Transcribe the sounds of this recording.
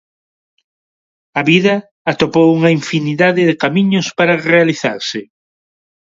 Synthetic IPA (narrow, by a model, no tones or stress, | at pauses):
ɐβiðɐː | t̪opowuŋɐiɱfiniðaðɪðɪkamiɲʊspaɾɐrealiθa̰ɾsɪ